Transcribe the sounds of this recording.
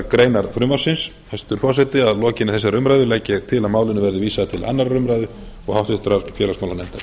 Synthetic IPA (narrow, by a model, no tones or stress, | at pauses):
kɾeːjnaɾfɾʏmaɾ̥sɪns | hajst̪ʏɾ̥fɔsɛjt̪ɪaðlɔːcɪnːɪθɛsːarɾʏmɾajðʏlɛcːɪt̪ʰɪlaðmaːwlɪnʏvɛɾðɪviːsaðt̪ʰɪlʔa̰nːaɾːʏmɾajðʏ | ɔɣhawht̪ʏht̪ɾaɾfjɛːlasmaːwlanɛn̥t̪ḁ